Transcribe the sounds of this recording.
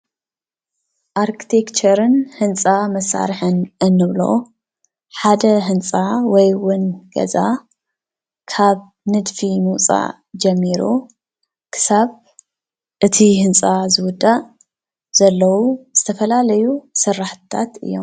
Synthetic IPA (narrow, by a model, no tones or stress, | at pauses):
ʔaɾkʰi̥t̪ʰekt͡ʃɐɾɨnhɨnt͡sʼamɐsa̰ɾħɨnʔɨnːɨβlo̞̰ | ħad̪ɐɦɨnt͡sʼawɔjwʊnɡ̥ɐ̰za | kʰaβ | nɨd̪fimɨwt͡sʼa̰ | d͡ʒɐmːiɾu | kʰɨ̥saβ | ʔɨt̪ʰihɨnt͡sʼazɨwʊd̪ːa | z̥ɐlːɐwuz̥ɨt̪ʰɐfɐlalɐjusɨrːaħt̪ɨ̥t̪ʰat̪ɨ̰jːo̞̰m